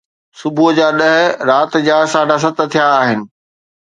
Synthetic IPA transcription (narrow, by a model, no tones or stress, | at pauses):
sʊbʱud͡ʑaːɗɐɦɪɾaːt̪d͡ʑaːsaːɖʱas̬ɐt̪t̪ʰijaːɦɪnɪ̆